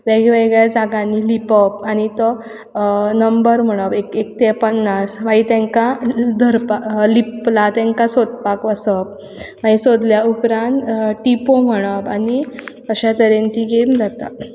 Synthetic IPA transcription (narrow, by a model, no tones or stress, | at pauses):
ʋeɡʋeɡɭjad͡zaɡãnːilipəp̚añit̪ɔ | nəmbəɾm̤əɽ̃əbekek̚t̪ɛpənːasʋait̪ɛ̃ŋkad̪ʱəɾpaliplat̪ɛ̃ŋkasod̪pakʋəsəp̚ | ʋaisod̪ljaupɾãnt̪ʈipom̤əɽ̃əbani | əɕat̪əɾent̪iɡemd͡zat̪a̰